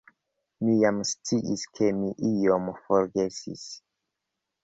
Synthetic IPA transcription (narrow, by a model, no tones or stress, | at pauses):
mijamst͡siʔiskʰe̞miʔijomfoɾɡe̞sḭs